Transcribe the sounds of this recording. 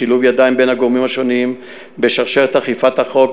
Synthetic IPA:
iluvjad̪aimbenhaɡomimhaʃo̞nim | beʃaʁʃeʁet̪haχifat̪haχo̞k

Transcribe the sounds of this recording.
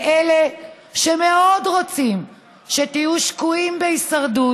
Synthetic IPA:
ele | ʃeme̞o̞dʁo̞t͡sim | ʃetijuʃkuimbeisaʁdu

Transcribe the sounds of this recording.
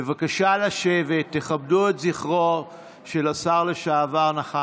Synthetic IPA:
evakaʃalaʃe̞ve̞t̪ːeχabduetziχʁo | ʃelasaʁle̞ʃaːvaʁnaχa

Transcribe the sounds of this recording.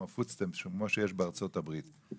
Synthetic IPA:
afut͡stɛmʃuɡmoʃɛʃbaʁt͡sɔtabʁiːt

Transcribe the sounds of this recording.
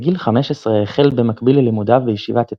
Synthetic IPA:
ɡilχame̞ʃesʁeeχelbemakbilelimud̪avejiʃivat̪e

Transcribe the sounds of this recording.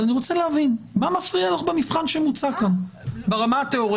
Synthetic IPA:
laniʁo̞t͡selehavinmamafʁialaχbemifχanʃemut͡sakanbeʁamaat̪eo̞ʁ

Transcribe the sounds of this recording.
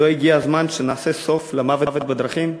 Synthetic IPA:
oiɡiazmanʃenaːse̞so̞flemavevet̪̚bed̪ʁaχim

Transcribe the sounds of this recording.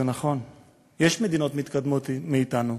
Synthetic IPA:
enaχo̞n | jeʃme̞d̪ino̞t̪mit̪kad̪mot̪miːt̪anu

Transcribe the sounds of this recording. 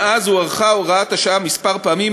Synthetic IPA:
ʔazuaʁχaoʁaat̪haʃaamispaʁpaamim

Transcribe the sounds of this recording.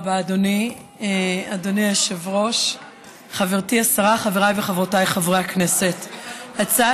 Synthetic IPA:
baːdoni | adoniaʃevʁo̞ʃ | χaveʁtiasaʁaχaveʁajveχavʁotajχavʁeaknesethat͡sa

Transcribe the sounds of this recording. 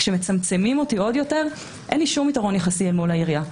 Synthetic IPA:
ʃeme̞t͡samt͡se̞mimo̞tio̞djo̞te̞ʁ | ʔḛnliʃumitaʁo̞njaχasielmolaiʁija

